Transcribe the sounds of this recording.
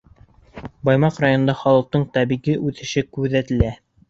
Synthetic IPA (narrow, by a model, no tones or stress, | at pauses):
bɑjmɑqrajon̆nd̪ɑχɑlˠɤ̆l̚t̪ɤɴt̪æbiɣiʔʉθɘ̆ʃɘkʉðæt̪ɘ̆læ